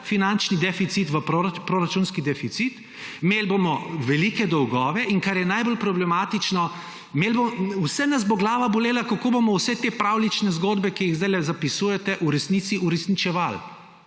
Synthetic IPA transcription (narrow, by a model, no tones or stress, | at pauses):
finant͡ʃnid̪ɛfit̪sit̪ʋəpɾoɾpɾoɾat͡ʃunskid̪ɛfit̪sit̪ | imeːlbomɔʋɛlikɛd̪ɔwɡɔːʋɛʔiŋkaɾjɛnajbolpɾɔblɛmaːt̪it͡ʃnɔ | melbowsɛnaz̬boɡlaːʋaboleːlakakoːbomɔwsɛt̪epɾawlit͡ʃnɛzɡoːd̪bɛkijiɣzd̪ajlɛzapisuːjɛt̪ɛʔuɾɛsniːt̪siʔuɾɛsnit͡ʃɛʋal